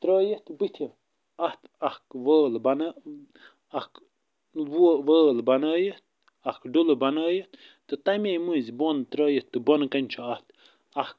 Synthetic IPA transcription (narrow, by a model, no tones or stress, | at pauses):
t̪ɾəːjət̪bɨt̪ʰi | ɐht̪ɐhkʋəːlbɐn | ɐhk | ʋuʋəːlbɐnəːjət̪̚ | ɐhkɖulɨbɐnəːjət̪ | t̪ɨt̪ɐmejmuːzbont̪ɾəːjət̪ːɨbonkɐnʲt͡ʃʰuɐht̪ | ɐhk̚